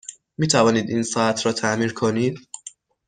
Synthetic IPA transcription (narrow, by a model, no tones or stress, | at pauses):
miːt̪ʰævɑːniːd̪ʔiːnsɑːt̪ʰɾɒːt̪ʰaʔmiːɾkʰoniːd̪